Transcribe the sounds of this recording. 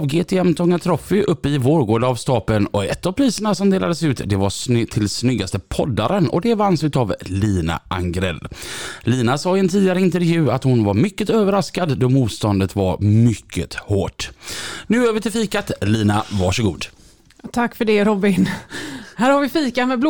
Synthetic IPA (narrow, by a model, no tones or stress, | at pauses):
vɡeːt̪ʰeːɛmt̪ʰɔŋːat̪ʰɾɔfːɪʔɵpːəɪvoːɾɡoːɖavst̪ɑːpənɔɛt̪ːavpʰɾiːsəɳasɔmd̪eːlad̪əsʉ̟ːt̪d̪ɛvast̪ʰɪlsnʏɡːast̪əpʰɔd̪ːaɾənɔ̰d̪ɛvansʉ̟t̪avliːna̰ʔa̰ŋɡɾɛ̰lːliːnasɑːɪɛnt̪ʰiːd̪ɪaɾəɪnt̪əɾvjʉ̟ːat̪hʊnvaɾmʏkːət̪øːvəɾaskad̪ːɔmuːt̪st̪ɔnd̪ət̪va̰ɾmʏkʰːə̰t̪hoːʈnʉ̟ːøːvəʈʰɪlfiːkat̪liːnavɑʂɔɡṵːd̪ | t̪ʰakːfœɖɛɾɔbɪn | hæːɾhaɾvɪfiːkamɛbl